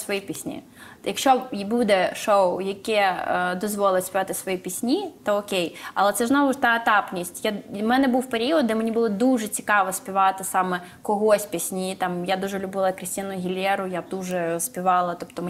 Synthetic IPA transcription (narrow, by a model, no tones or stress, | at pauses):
sʋɔjipʲisʲnʲḭ | jɐkʃt͡ʃɔbud̪ɛʃowjɐkʲɛd̪ɔzʋɔlˠɪtʲsʲpʲiʋɑt̪ɪsʋɔjipʲisʲnʲit̪ɔɔkʲejɐ̰lˠɛt̪sɛznɔʋʊt̪ɑɐt̪ɑpnʲisʲtʲjamɛnɛbuwpeɾʲiɔd̪̚d̪ɛmenʲibʊlˠɔd̪uʒɛt͡sʲi̥kɑʋɔsʲpʲiʋɑt̪ɪsɑmɛ | kɔɦɔsʲpʲisʲnʲit̪ɑmjad̪uʒɛlʲʊbɪlˠɐkɾʲɪsʲtʲinʊjʊɦʲilʲjɛɾʊjab̚d̪uʒɛspʲiʋɑlˠɐt̪ɔpt̪ɔm